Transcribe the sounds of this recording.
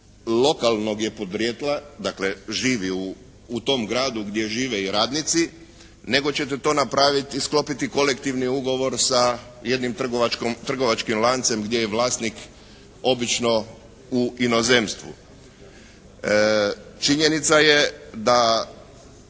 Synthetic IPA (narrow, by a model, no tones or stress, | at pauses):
lo̞kalˠnoɡje̞pod̪ɾjet̪lˠad̪akleʒiːʋiuː | t̪o̞mɡɾaːd̪uɡd̪ʲje̞ʒiːʋeiɾaːd̪nit̪si | ne̞ɡo̞t͡ɕe̞t̪̬et̪o̞ːnapɾaʋit̪isklo̞pit̪iko̞lekt̪iʋniuɡo̞ʋo̞ɾsa | je̞d̪nimt̪r̩ɡoʋat͡ʃkomt̪r̩ɡo̞ʋat͡ʃkimlˠant̪se̞mɡd̪je̞jeʋlaːst̪nik | o̞bit͡ʃno̞ | uino̞ze̞mst̪ʋṵ | t͡ʃiɲe̞nit̪saje̞d̪a